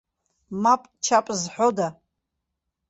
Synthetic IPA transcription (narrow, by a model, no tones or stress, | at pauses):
mapʼt͡ʃʰapʼzħʷᶣoda